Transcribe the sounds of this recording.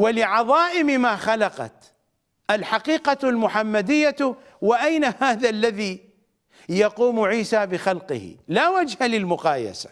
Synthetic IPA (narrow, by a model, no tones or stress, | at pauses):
walɪʕɑðˤɑːʔɪmɪmaːxalɑqɑ̰t̪ | ʔalħaqiːqalmʊħamːad̪ɪjːa | wɪʔajnahaːðalːaði | jɑquːmʕiːsaːbɪxalqɨ̰hɪ̰laːwad͡ʒhalɪlmʊqɑːja̰sḁ